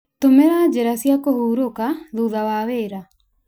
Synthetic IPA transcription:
tomeɾad͡ʑeɾasiakohuːɾokaðuðawaːweːɾa

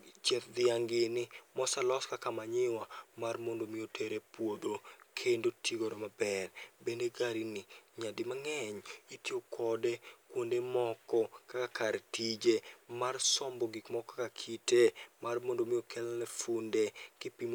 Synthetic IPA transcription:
t͡ʃɛt̪̚d̪ɪaŋɡɪnɪmɔsalɔskakamaɲɪwamarmondomɪotʰeɾepwod̪okʰendotʰiɡoɾomabɛrbendeɡaɾinɪɲadɪmaŋɛɲitiokʰɔdekwondemɔkɔkakakaɾtid͡ʒemarsɔmbɔɡikmɔkɔkakʰitemarmondomɪjokʰɛlnɛfundekɪpim

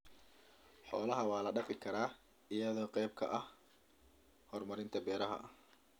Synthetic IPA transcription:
ħɔ̰ːlɐɦɐwɑːlɐɖɐfɪkʰɐɾaː | ɪjɐðɔːqɛjb̚kʰɐ̰ʔɐh | hɔrmɐɾɪnt̪ʰɐbɛːɾɐɦɐ̰ʔɐ

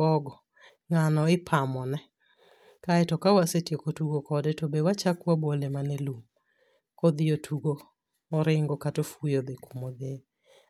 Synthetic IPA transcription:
ɔɡɔ | ŋanɔɪpʰamɔnɛ | kaɛtɔkawasetjekotuɡokɔdɛtobewat͡ʃakwabwolemanelum | kod̪ɪjotʰuɡoː | ɾɪŋɡɔkatofujod̪ekumod̪e

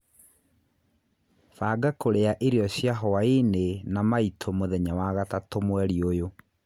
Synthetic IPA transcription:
faːɡakoɾeaʔeɾeɔɕjaɦɔaenenamaitʰomoðɛɲawaɣatatomwɛɾiojo

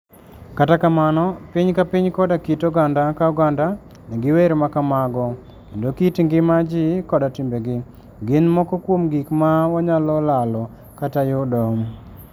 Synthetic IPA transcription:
katakamanɔpiɲkapiɲkɔdakitɔɡandakauɡanda | nɛɡɪweɾmakamaɡɔ | kendokitiŋɡɪmad͡ʒɪkɔdatimbeɡɪ | ɡɪnmɔkɔkwomɡikmaɔɲalɔlalɔ | katajɔdɔm

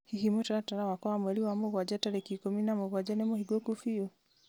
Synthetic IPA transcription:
hiɦimɔtaɾataɾawakɔamwɛɾiwamɔɣwad͡ʒataɾɛkikɔminamɔɣwad͡ʒanɛmɔhiɡɔkufiɔ

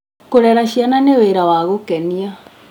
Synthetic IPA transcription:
koɾɛɾaɕiananeweɾawaɣokɛnia

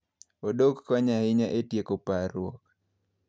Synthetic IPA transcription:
odokːaɲahɪɲaʔetjekopaɾwɔk̚

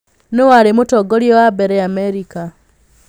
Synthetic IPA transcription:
newaɾemotɔɡoɾjɔwabɛɾɛamɛɾika

